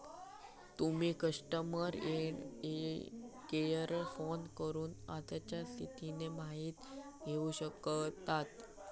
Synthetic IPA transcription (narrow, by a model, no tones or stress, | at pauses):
t̪um̤iːkəʂʈəməɾeɳekejəɾfonkəɾuːna̰t̪at͡ɕjast̪ʰit̪ʰinemaɦiːt̪ɡeuɕəkt̪at̪